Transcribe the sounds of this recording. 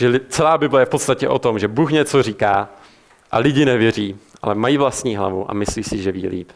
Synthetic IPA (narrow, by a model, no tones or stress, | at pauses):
d͡ʒɛlɪt͡sɛlaːbɪblɛjɛfpo̞t̪st̪acɛʔo̞t̪o̞mʒɛbuːxɲɛt͡so̞riːkaː | ʔa̰lɪɟɪnɛvjɛriːʔalɛmajiːvlast̪ɲiːɦla̰vuʔa̰mɪsliːsɪʒɛvḭːlḭːp